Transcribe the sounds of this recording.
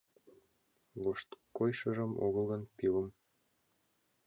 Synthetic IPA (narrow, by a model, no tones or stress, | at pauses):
βoʃt̪kojʃɤ̆ʒɤ̆mo̰ɣɤ̆lˠɣɤ̆npilə̆m